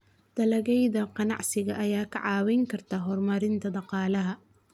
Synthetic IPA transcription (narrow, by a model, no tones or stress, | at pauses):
d̪̥ɐlɐɣɛjðɐqɑnɑ̰ʕsɪɣɐʔjaːkʰɐ̰ʕɑːwɛjŋkʰɐrt̪ʰaːɦɔrmɐɾɪnt̪ʰɐd̪ɑqɑːlɐɦɐ